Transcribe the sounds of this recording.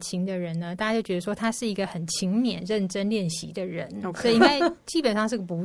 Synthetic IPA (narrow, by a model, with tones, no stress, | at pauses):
t͡ɕʰi˧˥ŋd̪ə˧ɻə˧˦nnə˧t̪a˥˩t͡ɕja˧˥t͡ɕo˥˩t͡ɕɥɛ˧d̪ə˧ʂwɔ˥t̪ʰa˥ʂɻ̩˥˩i˧˥ɡə˧xə˨˩nt͡ɕʰi˧˥ŋmjɛ˨˩nɻə˥˩nʈ͡ʂə˥nljɛ˥˩nɕḭ˧˥d̪ə˧ɻə˧˥nsɔ˧˥˧i˨˧˥ŋ˥˩t͡ɕi˥pə˨˩nʂɑ˥˧ŋʂɻ̩˥˧ɡə˩pu˧˥